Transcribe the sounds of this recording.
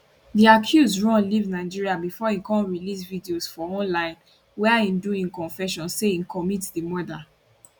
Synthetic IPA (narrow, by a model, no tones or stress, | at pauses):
diakʰjuzdɹɔ̃nlivnaɪd͡ʒiɹiabifɔĩkɔ̃nɹilis̬vidiosfɔɔ̃nlãɪ̃n | wɛĩnduĩnkɔ̃nfɛʃɔ̃nseĩnkɔmitdimɔda